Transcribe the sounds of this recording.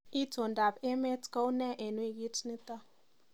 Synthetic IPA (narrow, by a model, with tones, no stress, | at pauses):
i˦to˨nda˨pe˦me˦tko˦u˦nɛ˦ʔe˨nwi˦˨ɡi˦tni˦t̪a˦